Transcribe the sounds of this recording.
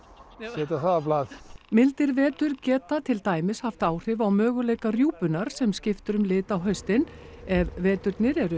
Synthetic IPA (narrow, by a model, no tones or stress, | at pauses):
ɛt̪aθaðaplaːðmɪlt̪ɪɾvɛːt̪ʏɾcɛːt̪at̪ʰɪlt̪aːjmɪshaft̪aːwr̥ɪvawmœːɣʏleːjkarjuːpʏnaɾ̥sɛmscɪft̪ʏɾʏmlɪːt̪awɦœɥst̪ɪnɛvvɛːt̪ʏɾt̪nɪɾɛɾʏ